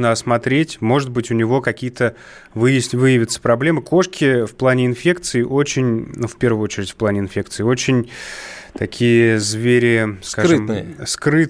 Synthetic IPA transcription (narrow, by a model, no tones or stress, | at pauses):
nəɐsmɐt̪ɾʲetʲmo̞ʐɨt̪̚bɨtʲʊnʲɪvo̞kɐkʲijət̪ə | vɨjɪsʲvɨjɪvʲɪt̪sə̥pɾɐblʲe̞məɨko̞ʂkʲɪfplˠanʲɪɪnfʲe̞kt̪sɨɪʔo̞t͡ɕɪnʲnufʲpʲe̞rvʊjʊo̞t͡ɕɪɾʲɪtʲfʲplˠanʲɪnfʲek̚t̪sɨɪo̞t͡ɕɪnʲt̪ɐkʲʰijəzvʲeɾʲɪskaɨmskɾɨt̪